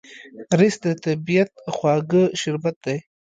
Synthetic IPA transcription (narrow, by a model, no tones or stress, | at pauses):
ɾɪsd̪ət̪abijat̪̚xwɑɡəʃɪɾbat̪̚d̪aj